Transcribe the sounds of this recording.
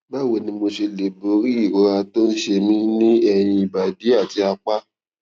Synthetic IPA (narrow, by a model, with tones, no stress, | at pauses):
ba˦˨we˧˨nĩ˧mo˧ʃe˧le˨bo˨˦ɾi˦i˦˨ɾo˨˦ɾa˧to˦n̩˦ʃe˧mĩ˦nĩ˦ɛ˧j̃ĩ˧i˨ba˨di˨˦a˦˨ti˨˦a˧k͡pa˦